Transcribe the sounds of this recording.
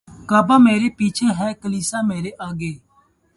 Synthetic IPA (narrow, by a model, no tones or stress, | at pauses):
kaːbaːmeːɾeːpiːt͡ʃʰeːɦɛːkəliːsaːmeːɾeːʔaːɡeː